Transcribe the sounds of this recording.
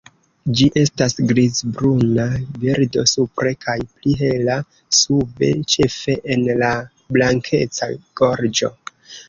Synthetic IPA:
d͡ʒiʔe̞stasɡɾizbɾunabiɾdo̞supɾe̞kʰajpliɦe̞la | sube̞̰t͡ʃe̞fe̞ʔenla | blaŋkʰe̞t͡sa̰ɡ̥o̞ɾd͡ʒo̞̰

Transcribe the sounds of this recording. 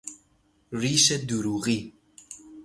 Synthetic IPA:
riʃɛd̪uɾuʁi

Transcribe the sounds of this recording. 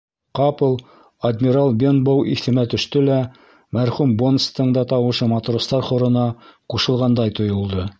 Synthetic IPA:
qɑpɤlˠ | ɐd̪mʲiɾalˠbʲenbowʔiθɘ̆mæt̪ɵ̆ʃt̪ɵlæ | mæɾχumbonst̪ɤ̆ɴd̪ɑt̪ɑwɤ̆ʃɤmɑt̪rost̪ɑɾχŏɾɤ̆nɑquʃɤ̆lˠʁɑnd̪ɑjt̪ŏjŏlˠd̪ɤ

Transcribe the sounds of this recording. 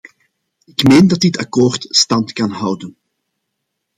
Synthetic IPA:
ɪkmeːndɑtdɪtɑ̰koːrtstɑntkɑnɦʌwdən

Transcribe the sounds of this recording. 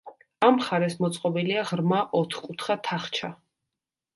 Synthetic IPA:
amχaɾɛsmɔt̪sʼqʼɔbiliaʁɾmaʔɔt̪ʰχkʼut̪ʰχat̪ʰaχt͡ʃʰa

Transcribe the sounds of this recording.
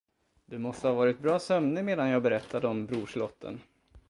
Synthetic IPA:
d̪̥ɵmɔst̪əhaːvɑːɾɪt̪̚bɾɑːsœmnəmeːd̪anjɑːɡbɛɾɛt̪ʰːad̪əɔmbɾuːʂlɔt̪ʰːə̰n

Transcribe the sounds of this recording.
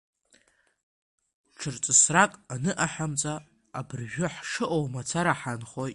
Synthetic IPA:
ʈ͡ʂʰɨrt͡sʼɨsrakʼanɨʔaħamt͡sʼaː | bɨrʒᶣʷʊħʂɨʔowmat͡sʰaɾaħanχoj

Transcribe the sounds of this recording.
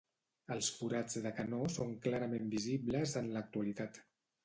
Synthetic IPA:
əlˠsfuɾad͡zðəkanosoŋklaɾəmembiziβləzənlək̚t̪uəlit̪at̪

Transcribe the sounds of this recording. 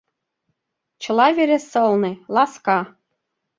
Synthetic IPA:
t͡ɕɤ̆lɑveɾesɤ̆lˠnelˠɑskɑ

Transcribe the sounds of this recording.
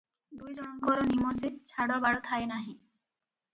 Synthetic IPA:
d̪ujd͡ʒɔɽ̃ɔŋkɔɾɔnimɔset͡ʃʰaɽɔbaɽɔt̪ʰaenaɦĩ

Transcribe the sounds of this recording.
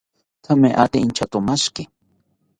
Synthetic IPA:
t̪ʰameʔa̰t̪int͡ʃat̪ʊmaʃkɪ

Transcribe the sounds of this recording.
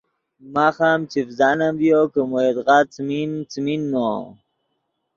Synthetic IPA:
maxamt͡ɕifzanamvjokəmoed̪ɣat͡smint͡sminːo

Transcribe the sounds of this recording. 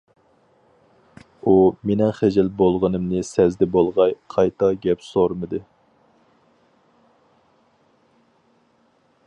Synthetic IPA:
umenɪŋχed͡ʒɪlbolˠʁənɨmnɨsɛzd̪ɛbolˠʁɑjqʰɑjt̪ʰɑɡʲɛpsoɾmɨd̪ɨ

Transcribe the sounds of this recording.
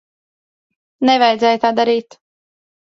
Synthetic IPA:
nɛvajd̪zɛːjt̪aːd̪aɾiːt̪

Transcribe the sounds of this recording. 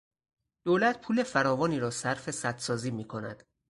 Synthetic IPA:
d̪̥oːlæt̪̚pʰuːle̞fæɾɒːvɒːniːɾɒːsæɾfe̞sæt̪sɒːziːmiːkʰo̞næ̰d̪̥

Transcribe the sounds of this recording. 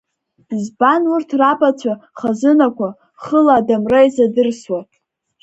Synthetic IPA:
zbanurtʰrapʼat͡ɕʷʰaχazɨnakʷʰa | χəlaːdamrajzadɨrswatʼ

